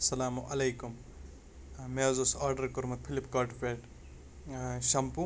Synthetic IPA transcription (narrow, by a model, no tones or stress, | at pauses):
sɐlaːmuʔɐlɐjkum | meɐzusaːɾɖɐɾkuɾmɐt̪̚pʰilipkaʈfeʈ | ʃɐmpu